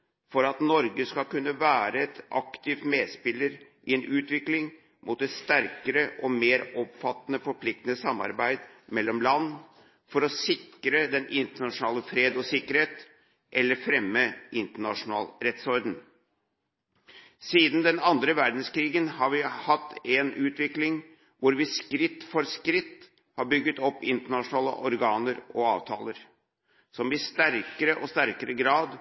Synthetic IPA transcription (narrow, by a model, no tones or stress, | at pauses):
fɔɾɑt̪nɔɾɡəskɑkʉnːəʋæːɾəɛt̪ʔɑ̰kt̪ɪft̪meːd̪spɪlːəɾʔɪɛnʔʉːt̪ʋɪklɪŋ | mʔuːt̪ːɛt̪st̪æɾkəɾəʔɔmeːɾɔpfɑt̪ːnəfɔɾpʰlɪk̚t̪ənəsɑmːɑ̰ɾbæɪd̪ | mɛlːɔmlɑnː | fɔɾɔsɪkɾəd̪ɛnʔɪnt̪əɳɑʂʊnɑːləfɾeːd̪ɔsɪkːəɾheːt̪ | ʔɛlːəɾfɾɛmːəɪnt̪əɳɑʂʊnɑ̰ːlɾɛt̪sɔɾd̪n̩ | siːd̪n̩d̪ɛnɑnd̪ɾəʋæɾɖ̪n̩skɾiːɡənhɑɾʋɪhɑt̪ːɛnʉːt̪ʋɪklɪŋ | ʋʊɾʋɪskɾɪt̪ːfɔɾskɾɪt̪ː | hɑɾbʏɡːət̪ɔpːɪnt̪əɳɑʂʊnɑːlə̰ʔɔɾɡɑːnəɾɔɑːʋt̪ʰɑ̰ːləɾ | sɔmɪst̪æɾkəɾəʔɔst̪æɾkəɾəɡɾɑːd̪